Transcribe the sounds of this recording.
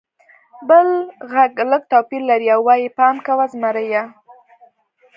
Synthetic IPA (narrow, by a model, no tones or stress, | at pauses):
bəlɣaɡləɡ̚t̪apiɾlaɾiawːɑjipɑmkawazmaɾaja